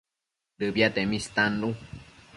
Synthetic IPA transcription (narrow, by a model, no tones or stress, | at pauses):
dɨbjat̪emĩst̪anɾu